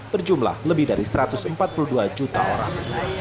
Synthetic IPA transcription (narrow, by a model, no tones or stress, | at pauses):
bərd͡ʒumla̰hləbɪhdaɾisəɾat̪ʊsəmpat̪̚puluhduad͡ʒut̪a̰oɾa̰ŋ